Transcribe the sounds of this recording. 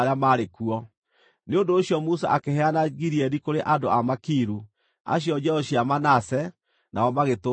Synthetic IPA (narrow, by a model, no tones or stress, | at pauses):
ɾeamaɾekuɔ | neondoːɕjɔmusa̰ʔakehɛanaɣiɾiɛɾikoɾeʔadoamakiɾu | a̰ɕjɔd͡ʒɛɔɕiamanasɛ | naɔmaɣeto